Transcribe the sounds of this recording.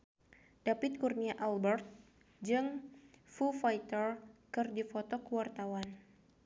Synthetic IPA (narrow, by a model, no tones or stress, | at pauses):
d̥apɪt̪̚kurniaʔalbɛrt̪̚ | d͡ʒɨŋfufajt̪ərkɨrdifɔt̪ɔkəwart̪awan